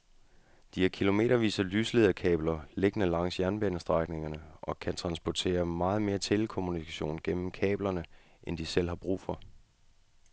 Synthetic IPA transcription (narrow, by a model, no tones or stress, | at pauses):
d̥iheɐkʰilo̝me̝̰ːɾɐʋḭːsɐlyːsleðˠɐkʰɛ̰ːb̥lɐle̝ɡ̥ənəlɑ̈ŋ̰sjæɐnb̥enəsd̥ʁɑɪɡ̥ne̝ŋɐnəʔɒ̽kʰænt͡sʰʁɑ̈nsb̥ɒt͡sʰe̝̰ːɐmɑ̈ːð̩ˠme̝ːɐt͡sʰe̝lkʰo̝munikʰæɕo̝̰ːnɡ̥en̰m̩kʰɛ̰ːb̥lɐnəʔend̥isel̰hɑ̈b̥ʁṵːfɒ̽